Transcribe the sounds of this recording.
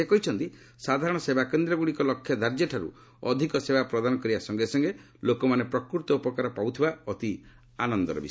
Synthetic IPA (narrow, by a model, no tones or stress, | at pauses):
ekɔɦit͡ʃʰɔnt̪i | sad̪ʱaɾɔɽ̃ɔsebakend̪ɾɔɡuɽikɔlɔkʰːjɔd̪ʱaɾd͡ʒeʈʰaɾṵ | ɔ̰d̪ʱikɔsebapɾɔd̪anɔkɔɾibasɔŋɡesɔŋɡe | lokɔmanepɾɔkɾuɾt̪ɔupɔkaɾɔpaut̪ʰibaɔt̪i | anɔnd̪ɔɾɔ̰bi